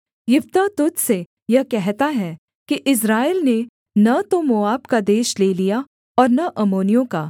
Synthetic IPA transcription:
jɪʋt̪at̪ʊt̪se | jɐɦkɛɦt̪aɦɛ | kiʔɪs̬ɾaːeːlne | nɐt̪omoːaːbkad̪eːʃleːlija | ɔːɾnɐʔɐmoːnijõkaː

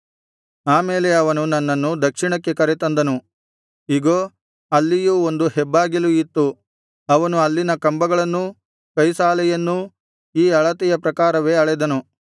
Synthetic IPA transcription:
aːmeːle̞ɐʋɐnunɐnːɐnːud̪ɐkʂiɳɐkːe̞kɐɾet̪ɐnd̪ɐnu | iɡoː | ɐlːijuːond̪uhɛbːaːɡiluit̪ːu | ɐʋɐnuɐlːinɐkɐmbɐɡɐɭɐnːu | kɐjsaːlɛjɐnːu | iːɐɭɐt̪ɛjɐpɾɐkaːɾɐʋe̞ːɐɭɛd̪ɐnu

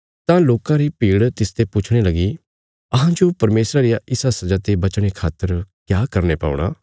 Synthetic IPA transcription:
t̪ãloːkãɾipiːɽt̪ɪst̪epʊt͡ʃʰɽ̃elɐɡi | ɐɦãd͡ʒopɐɾmeːsɾaɾɪjaʔɪsasɐd͡ʒat̪ebɐt͡ʃɽ̃ekʰaːt̪ːəɾkjaːkɐɾnepa̰ːʊ̰ɽ̃a̰ː

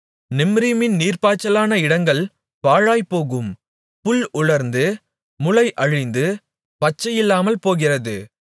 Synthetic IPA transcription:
nɪmɾɪmɪnniːrpaːt͡ʃːɐlaːnɐɪɽɐŋɡɐɭ | paːɻaːjpoːɣɯm | pʊlʊɻɐɾnd̪ɯ | mʊlɐɪʔɐɻɪnd̪ɯ | pɐt͡ʃːɐjɪlːaːmɐlpoːɣɪrɐðɯ

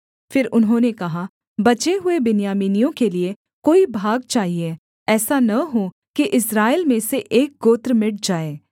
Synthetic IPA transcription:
fɪɾʊnɦõnekɐɦa | bɐt͡ʃeɦʊebɪnjaːmiːnijõkelie | koːibʱaːɡ̚t͡ʃaːɦieː | ɛːsanɐɦo | kiʔɪsɾaːelmẽseʔeːk̚ɡoːt̪ɾmɪʈ̚d͡ʒaːeː

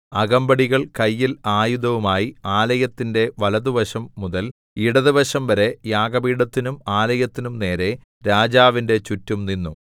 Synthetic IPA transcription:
ɐɡɐmbɐɽiɣɐɭkɐjːilaːjuðɐʋumaːjiaːlɐjɐt̪ːinde̞ʋɐlɐðuʋɐɕɐmːuðɐl | iɽɐðɨʋɐɕɐmʋɐɾe̞jaːɡɐbiːɽɐt̪ːinumaːlɐjɐt̪ːinumne̞ːɾe̞ | ɾaːd͡ʑaːʋinde̞t͡ɕutːumninːu

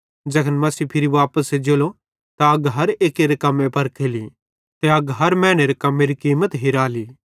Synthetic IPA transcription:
d͡ʒɐkʰənmɐsipʰɪɾiʋaːpəsed͡ʒeːlo | t̪aɐɡɦɐɾeːkeɾekɐmːẽpɐɾkʰeːli | t̪eɐɡɦɐɾmɛ̃ːɽ̃eɾekɐmːeɾikiːmət̪ɦiɾaːliː

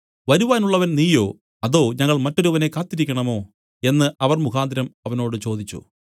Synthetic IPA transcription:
ʋɐɾuʋaːnuɭːɐʋɐnniːjo̞ː | ɐðo̞ːɲɐŋːɐɭmɐtːoɾuʋɐne̞kaːt̪ːiɾikʲːɐɳɐmo̞ː | e̞nːɨʔɐʋɐrmukaːd̪ʱɐɾɐmɐʋɐno̞ːɽɨt͡ɕo̞ːd̪it͡ɕːṵ

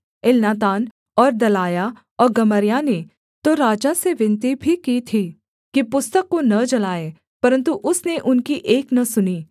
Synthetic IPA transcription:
ɪlnaːt̪̬aːn | ɔːɾd̪ɐlaːja | ɔːɾɡɐməɾjane | t̪oɾaːd͡ʒaseʋɪ̃nt̪ibʱikit̪ʰi | kipʊst̪əkːonɐd͡ʒɐlaːe | pɐɾə̃nt̪uʔʊsneʔʊnkiʔeːknɐsʊniː

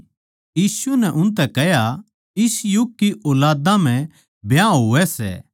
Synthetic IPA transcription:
jiːsunɛʔʊnt̪̬ɛkɛɦja | ɪsjʊɡ̚kːiʔʊːlaːd̪ãm̤ɛ̃ | bjãːɦuʋɛsɛ̰ː

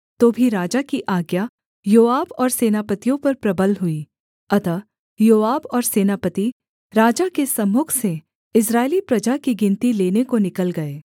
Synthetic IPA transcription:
t̪oːbʱiɾaːd͡ʒakiʔaːɡja | joːaːbɔːɾseːnaːpət̪ijõpɐɾpɾɐbəlɦʊi | ɐt̪ə | joːaːbɔːɾseːnaːpət̪i | ɾaːd͡ʒakesɐmʊːkʰse | ɪs̬ɾaːelipɾɐd͡ʒakiɡɪ̃nt̪ileːnekonɪkəlɡɐeː

